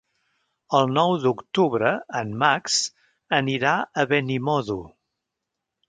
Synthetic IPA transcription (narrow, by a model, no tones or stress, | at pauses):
əlˠnɔwd̪ukt̪uβɾəːnmːaks | əniɾaəβɛnimɔðu